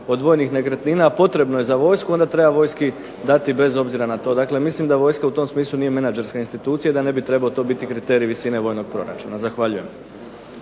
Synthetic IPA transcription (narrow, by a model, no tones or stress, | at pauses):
o̞d̪ʋo̞jnixne̞kɾet̪niːnaːpo̞t̪ɾe̞bnojezaʋo̞ːjskuo̞nd̪at̪ɾe̞baʋo̞jski | d̪at̪ibe̞zo̞bziɾanat̪o̞ːd̪akle̞mislimd̪aʋo̞jskaut̪o̞msmiːslˠuniːje̞menad͡ʒe̞ɾskainst̪it̪uːt̪sijad̪ane̞bit̪ɾe̞baot̪o̞bit̪ikɾit̪e̞ɾiʋisine̞ʋo̞jno̞ɡ̥̚pɾo̞ɾa̰t͡ʃṵnazaxʋaʎuje̞m